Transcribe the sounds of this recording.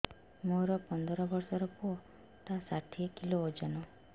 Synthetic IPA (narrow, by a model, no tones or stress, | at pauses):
moɾɔpɔnd̪ɔɾɔbɔɾsɔɾɔpuɔ | t̪asaʈʰiekiloːd͡ʒanɔ